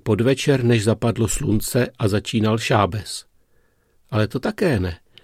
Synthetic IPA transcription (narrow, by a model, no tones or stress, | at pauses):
po̞dvɛt͡ʃɛɾnɛʒzapadlo̞slunt͡sɛʔazat͡ʃiːnalʃaːbɛs | ʔalɛt̪o̞t̪akɛːnɛ